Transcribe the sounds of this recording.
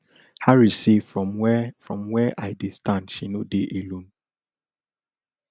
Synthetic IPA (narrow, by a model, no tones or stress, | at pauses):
haɹisefɹɔ̃mwɛfɹɔ̃mwɛʔaɪdestãndʃinodeʔelõn